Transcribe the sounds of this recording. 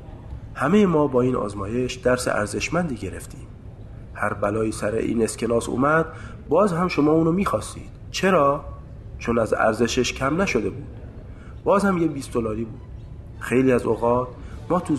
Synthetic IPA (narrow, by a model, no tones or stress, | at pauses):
hæmejemɒːbɒːiːnɒ̰ːzmɒːje̞ʃd̪̥æɾsḛʔæ̰ɾze̞ʃmænd̪iːɟe̞ɾe̞ft̪ʰiːm | hæɾbælɒːiːsæɾḛʔḭːne̞skcʰe̞nɒːsṵːmæd̪̥̚ | bɒːzhæmʃo̞mɒːuːnomiːxɒːst̪ḭːd̪̥t͡ʃʰe̞ɾɒː | t͡ʃʰonæzæ̰ɾze̞ʃeʃcʰæmnæʃo̞d̪e̞buːd̪̥ | b̥ɒːzhæmjebiːsd̪olɒːɾiːbuːd̪̥̚ | xe̞jliːæzoɣɒːt̪ | mɒːt̪ʰu